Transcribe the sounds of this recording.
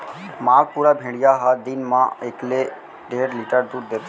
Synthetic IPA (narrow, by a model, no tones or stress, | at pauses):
maːɡ̚puːɾabʱẽːɽijaɦad̪ɪnmã̰ekle | ɖeːɽliːʈəɾd̪uːɾd̪eːt̪ʰː